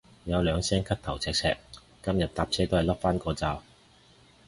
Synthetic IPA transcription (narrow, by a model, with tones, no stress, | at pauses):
jɐ˨˧wlœː˨˧ŋsɛː˥ŋkʰɐ˥k̚t̪ʰɐ˨˩wt͡sʰɛː˧k̚t͡sʰɛ̰ː˧k̚ | kɐ˥mjɐ˨t̚t̪aː˧p̚t͡sʰɛː˥t̪o˥whɐ˨jlɐ˥p̚faː˥nkɔː˧t͡saː˧w